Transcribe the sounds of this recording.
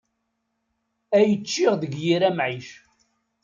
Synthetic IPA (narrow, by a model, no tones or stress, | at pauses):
æjət͡ʃːiʁðəɡjiɾæmʕiʃ